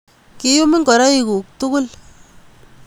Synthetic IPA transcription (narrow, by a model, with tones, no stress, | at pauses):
ki˦ju˦mi˦ŋkɔ˨ɾa˦i˨ku˨k̚tʊ˦kʊ˦l